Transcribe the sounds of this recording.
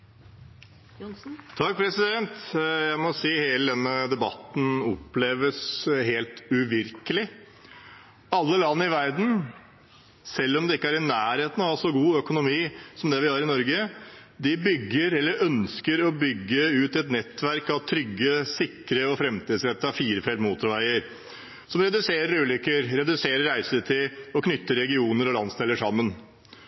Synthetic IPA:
t̪ʰɑk̚pʰɾɛsɪd̪ɛnt̪jæɪmɔsiːheːləd̪ɛnːəd̪ɛbɑ̰t̪n̩ɔpleːʋəsɦeːlt̪ʉʋɪɾkəlɪ | ɑlːəlɑnːəɪʋæɾd̪n̩ | sɛlːɔmd̪ɛɪkːəæɾɪnæːɾheːt̪ən̩ɑsɔɡuːœkʊnʊmiːsɔmd̪ɛʋɪhɑːɾɪnɔɾɡə | d̪ɪbʏɡːəɾɛlːəɾœnskəɾɔbʏɡːəʉːt̪ɛt̪nɛt̪ːʋæɾkɑʋt̪ʰɾʏɡːəsɪkɾəɔfɾɛmt̪iːd̪sɾɛt̪ːəɑfiːɾəfɛlmuːt̪ʊɾʋæɪəɾ | sɔmɾɛd̪ʉseːɾəɾʉːlʏkːəɾɾɛd̪ʉseːɾəɾɾæɪsət̪ʰɪlɔkʰnʏt̪ːəɾɾɛɡɪuːnəɾɔlɑnst̪eːləʂɑmːən

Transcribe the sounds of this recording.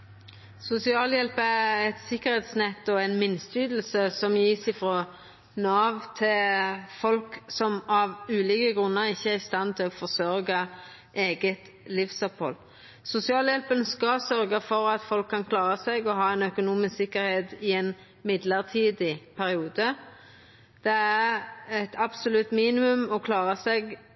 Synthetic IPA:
sʊsɪɑːljɛlpəæɛt̪sɪkːəʁheːt̪snɛt̪ːɔɛɪnmɪnːst̪yːd̪l̩səsɔmjiːsɪfɾo | nɑːʋt̪ʰɪlfɔlksɔmɑʋʉːliːkəɡʁʉnːəɾɪçːəæʁɪst̪ɑnt̪ʰɪlɔfɔʁsœɾɡɑ | ʔeːɡət̪ | lɪfsœphɔ̰l | sʊsɪɑːljɛlpənskɑsœɾɡəfɔɾɑt̪fɔlkʰːɑnkʰlɑːɾəsɛɡɔɦɑːɛnœkʊnuːmɪssɪkːəɾheːt̪ɪɛn | mɪd̪ləʁt̪ʰiːd̪ɪpʰæɾɪuːd̪ə | d̪̥ɛæʁɛt̪ʰɑbsʊlʉt̪ːmiːnɪmʉmɔkʰlɑːʁəsɛɡ

